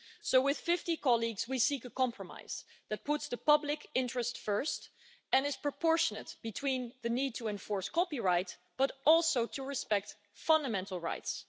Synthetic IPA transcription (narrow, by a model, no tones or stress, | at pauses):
soʊwɪð̥fɪftikʰɑlˠiɡz̥wisikəkʰɑ̃mpʰɹəma̰ɪz̥ | ðɨt̚pʰʊtsðəpʌblɪkʰɪ̃ntɹ̥ɨstfɜ˞st | ɨ̃nɨz̥pɹ̥əpʰɔɹʃənɨtb̥ɨtʰw̥ĩnðɨnid̚tʰəɛ̃ɱfɔɹskʰɑpiɹaɪt | b̥ʌɾɔlˠsoʊtʰəɹɨspɛk̚t | fʌ̃ndəmɛ̃ntˡl̩ˠɹa̰ɪts